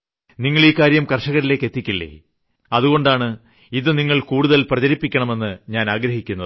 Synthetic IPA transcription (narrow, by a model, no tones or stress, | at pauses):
niŋːɐɭiːkːaːɾjɐmkɐrʂɐɣɐɾileːkːe̞t̪ːikʲːilːḛ | ɐðuɣo̞ɳɖaːɳɨ | iðɨniŋːɐɭkuːɽuðɐlprɐd͡ʑɐɾipːikʲːɐɳɐme̞nːɨɲaːnaːɡɾɐhikʲːunːɐðɨ